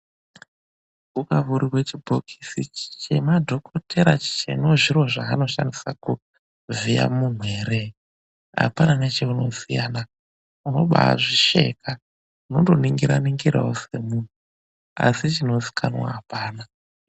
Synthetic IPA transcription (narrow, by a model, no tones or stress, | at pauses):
ukavuɾiwe̞t͡ʃibʱokʰisit͡ʃe̞madʱo̞kʰotʰe̞ɾat͡ʃi̥t͡ʃḛnoʐiro̞ʐaːno̞ʃandisaku | vija̰mun̤weːɾe | a̰pananet͡ʃe̞uno̞sijana | uno̞̰ɓa̰ʐiʃe̞̰ka | uno̞ndo̞niŋɡiɾaniŋɡiɾa̰wose̞mun̤u | a̰sit͡ʃino̞si̥kʰanwa̰ːpaːna